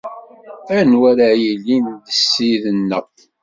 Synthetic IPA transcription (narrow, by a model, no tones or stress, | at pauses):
ænwæɾajəlːind̪əsːiðənːəʁ